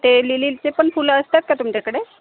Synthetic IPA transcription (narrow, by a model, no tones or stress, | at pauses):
t̪eliliːlt͡sepəɳfuləst̪at̪̚kat̪umt͡ɕakəɽe